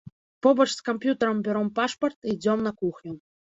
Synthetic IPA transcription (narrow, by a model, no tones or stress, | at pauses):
pobɔʃskompʲjut̪əɾəmbʲeɾompɑʂport̪id͡zʲomnɑkuxnʲu